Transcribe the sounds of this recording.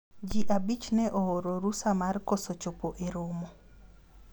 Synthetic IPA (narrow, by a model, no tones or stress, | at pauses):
d͡ʒiʔabit͡ʃnɛʔɔɔɾoɾusamaɾkɔsɔt͡ʃɔpɔʔeɾomɔ